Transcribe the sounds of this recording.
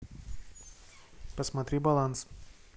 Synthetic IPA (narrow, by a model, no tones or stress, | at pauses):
pɐsmɐt̪ʲɾʲiːbɐlˠans